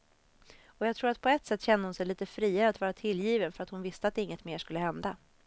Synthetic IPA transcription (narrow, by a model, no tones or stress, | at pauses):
ɔjɑɡt̪ʰɾuːɾat̪̚pʰɔɛt̪sɛt̪ːɕɛnd̪əhʊnsɛjliːt̪əfɾiːaɾəat̪vɑːɾat̪ʰɪljiːvənfœɾat̪hʊnvɪst̪əat̪̚d̪ɛɪŋːət̪meːʂkɵlːəhɛnd̪a